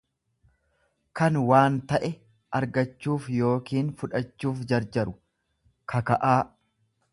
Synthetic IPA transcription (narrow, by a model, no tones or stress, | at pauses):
kɐnwaːnt̪ɐʔɛ | ʔɐɾɡɐt͡ʃːuːfjo̞ːkiːnfʊᶑɐt͡ʃːuːfd͡ʒɐɾd͡ʒɐɾʊ | kʰɐkɐʔaː